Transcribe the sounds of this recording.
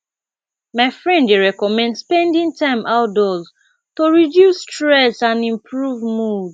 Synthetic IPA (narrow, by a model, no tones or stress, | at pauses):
maɪfɹɛ̃ndeɹɛkɔmɛ̃ndspɛ̃ndĩŋtãɪ̃mʔaʊt̚dɔz | toɹidjustɹɛsãndĩmpʰɹuvmud